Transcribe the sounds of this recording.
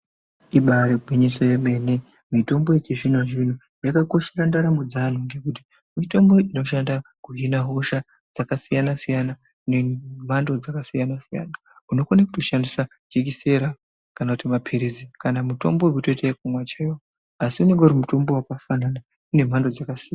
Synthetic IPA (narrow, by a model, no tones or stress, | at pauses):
iɓaɾeɡʱwiɲisojeme̞ne | mito̞mboet͡ʃeʐinoʐin̤u | jakako̞ʃerandaɾamud͡zan̤uŋɡe̞kuti̥ | mito̞mbo̞ino̞ʃ̬andakuɦinaɦo̞ʃa | d͡zakasijanasijana | nem̤ando̞d͡zakasijanasija̰na | uno̞konakutoʃandisa | d͡ʒekise̞ɾa | kanakutimapʰiɾizikanamuto̞̰mboemutoteakumwat͡ʃejo | asiune̞ŋɡeuɾimuto̞mbo̞wakafanana | une̞m̤ando̞d͡zakasijan